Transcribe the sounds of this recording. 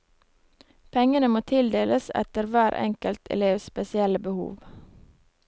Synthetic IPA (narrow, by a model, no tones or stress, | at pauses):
pʰɛŋənəmoːt̪ʰɪld̪eːlʔəsɛ̰t̪əɾʋæːɾʔɛ̰ŋkəlt̪ʰɛ̰leːʋspɛsɪɛləbəhṵːʋ